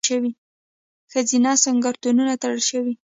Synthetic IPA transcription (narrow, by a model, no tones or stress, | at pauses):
əwi | xəzinɑsaŋɡaɾt̪ununat̪aɽəlʃəwi